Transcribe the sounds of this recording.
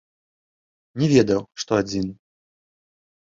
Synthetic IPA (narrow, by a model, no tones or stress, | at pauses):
nʲɛvʲɛd̪ɐwʂt̪ɔad͡zʲin